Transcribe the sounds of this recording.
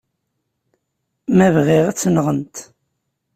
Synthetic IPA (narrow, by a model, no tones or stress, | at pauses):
mævʁiʁæt͡sːənʁənt̪